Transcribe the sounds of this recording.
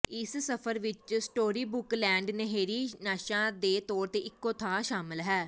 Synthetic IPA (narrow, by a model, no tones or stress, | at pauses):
ɪssəpʰəɾʋɪt͡ʃsʈoːɾiːbʊklɛ̃ːɳɖnəɦeːɾiːnaːʃãːd̪eːt̪ɔːɾt̪eːʔɪkːõːt̪ʰaːʃaːmɪlɦɛː